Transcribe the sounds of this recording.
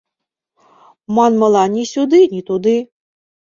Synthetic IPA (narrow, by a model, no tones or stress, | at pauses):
mɑnmɤlˠɑnʲisʲud̪ɨnʲit̪ud̪ɨ